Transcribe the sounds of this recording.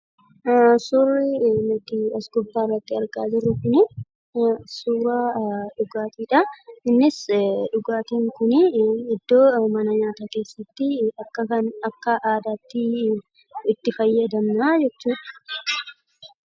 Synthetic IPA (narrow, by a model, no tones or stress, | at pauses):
sʊrɪnʊt̪ɪɐsɡʊbːaːrːɐt̪ːɪɐɾɡaːd͡ʒɪrːʊkʊnɪ | suːɾaːᶑʊɡaːt̪iːᶑɐɪnːɪsᶑʊɡaːt̪iːŋkʊnɪɪd̪ːo̞ːmɐnɐɲaːt̪aːke̞ːsːɐt̪ːɪɐkːɐkɐnɐkːɐʔaːd̪aːt̪ːɪ | ɪt̪ːɪfɐjːɐd̪ɐmnaːd͡ʒɛt͡ʃːuːᶑɐ̥